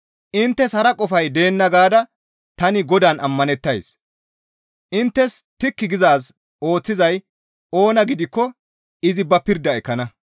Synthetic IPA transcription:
ʔɪnt̪ːɛshɐɾɐkʼɔfɐjd̪e̞ːnːɐɡaːd̪ɐ | t̪ɐnɪɡɔd̪aːnɐmːɐnɛt̪ːɐjs | ʔɪnt̪ːɛst̪ɪkːɪɡɪzaːs | o̞ːt͡sːɪzɐj | o̞ːnɐɡɪd̪ɪkːɔ | ɪzɪbɐpɪɾd̪ɐɛkːɐnɐ

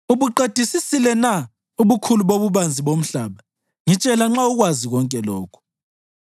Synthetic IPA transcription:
uβuǃed̥ʱisisilɛna | uβukʰuluβoβuβand͡zʱiβom̩ɬaːβa | ŋit͡ʃʼɛlaŋ͡ǁauɣwaziɣɔŋkʼɛlɔːkʰu̥

